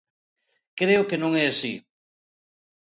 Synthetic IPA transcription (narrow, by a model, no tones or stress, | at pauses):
kɾeʊkenõŋɛasi